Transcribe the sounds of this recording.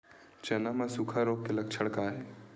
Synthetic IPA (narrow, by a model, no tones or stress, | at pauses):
t͡ʃenamãsukʰaɾoːk̚kelɐk̚t͡ʃʰəɽkaːɦe